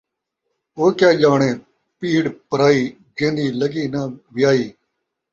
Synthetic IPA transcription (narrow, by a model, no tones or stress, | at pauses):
oːkjaːd͡ʒaːɳeː | piːɽpəɾaːiː | d͡ʒẽːnd̪iːləɡiːnãːʋɪjaːiː